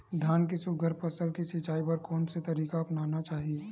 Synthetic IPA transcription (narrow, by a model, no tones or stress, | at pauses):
d̪ʱaːnkisʊɡʱəɾpɐsəlkisɪt͡ʃaːipɐɾkɔːnset̪ɐɾiːkaɐpnaːnat͡ʃaːɦie